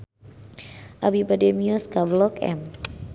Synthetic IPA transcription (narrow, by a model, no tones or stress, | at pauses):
ʔabibademiuskablɔkɛ̰m